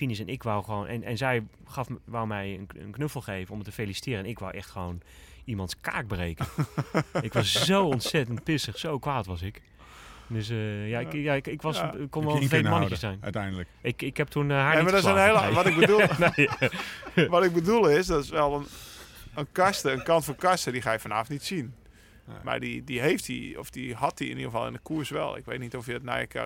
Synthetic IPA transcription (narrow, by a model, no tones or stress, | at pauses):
finɪs̬ɛnɪkʋawxʋoːnʔɛ̰nɛ̰nzɛj | xɑfʋawmɛjənə̰nknøfəl̩ˠxejvənɔmtəfejlisi̥tɪːɾəɛnɪkʋa̰wʔɛxtxəʋoːnimɑntska̰ːk̚breːkə | ɪkʋɑszowɔnsɛtənt̚pɪsəxsowkʋaːtʋɑsɪk | døsjaɪjaɪkɪkʋɑskonnʋlˠtejmɔnəkjəsɛjn̰tɛjndələɪkɪkhɛp̚tʰunɦamadɔnelʋɔtɪk̚bəlne | ʋɔtɪɡ̚bədulˠɪsdɔtɪsʋɛlˠənənkastəənkɑntfoːkastədiχaːjəfɔnaːftnitsin | ma̰didiɦejftḭɔ̰fdihɑt̚diɪ̰niχəfɑ̰lˠɪ̰ndəkʰuərsʋɛ̰lˠɪ̰kʋḛjtnitɔfjədɔtna̰jə̰kʰa̰